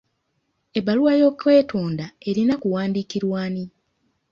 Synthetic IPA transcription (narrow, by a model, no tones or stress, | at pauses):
e̞baluwajo̞kːwe̞ːtʰoːndae̞ɾinakuwaːndikiɾwaːni